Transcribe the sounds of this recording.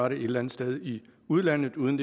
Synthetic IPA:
ɑɾəe̝d̥læn̩ˠsd̥eð̞ˠiuð̞ˠlæn̰ð̩ˠuːðˠnd̥e

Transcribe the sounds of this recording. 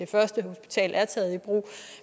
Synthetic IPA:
e̝fɶɐsd̥əho̝sb̥i̥t͡sʰɛ̰ːlæɐt͡sʰɛːð̞̩ˠib̥ʁṵː

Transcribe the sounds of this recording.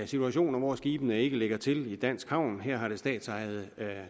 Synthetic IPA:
sit͡sʰuæɕo̝̰ːnɐʋɒsɡ̥iːb̥ənəe̝ɡ̥əleɡ̥ɐt͡sʰe̝lid̥æn̰sɡ̥hɑ̈ʊ̰nɦɛɐ̰ɦɑ̈ɾ̥e̝sd̥ɛ̰ːd̥sɑ̈ɪð̞̩ˠ

